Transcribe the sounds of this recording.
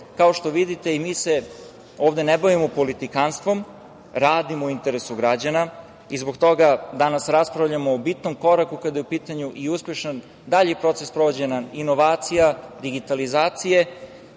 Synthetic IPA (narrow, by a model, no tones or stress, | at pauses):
kao̞ʃt̪o̞ʋid̪it̪e̞imiːse̞ | oːʋd̪e̞neboʋimopo̞lit̪ikanst̪vʋo̞m | ɾaːd̪imoint̪e̞ɾesuɡɾad͡ʑana | izbo̞kt̪o̞ɡad̪anasɾaspɾavʎamoːbit̪nomko̞ɾakukad̪ajeupiːt̪aɲuʔiuspjeʃan | d̪aʎpɾo̞t̪sespɾo̞ʋo̞d͡ʑenaino̞ʋaːt̪sijad̪iɡit̪alizaːt̪sije̞